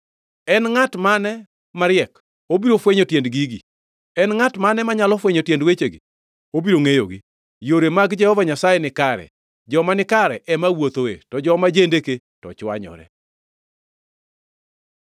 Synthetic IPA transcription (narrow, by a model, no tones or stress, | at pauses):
ɛnŋatmanɛ | maɾɪɛk | obiɾofweɲotjendɡiɡḭ | ɛnŋatmanɛmaɲalɔfweɲotjendwet͡ʃeɡḭ | obiɾoŋejo̰ɡḭ | joɾemaɡd͡ʒɛhɔvaɲasajɛnɪkaɾɛ̰ | d͡ʒɔmanɪkaɾɛʔɛmawot̪oḛtɔd͡ʒɔmad͡ʒendeke | tɔ̰t͡ʃwa̰ɲɔ̰ɾɛ̰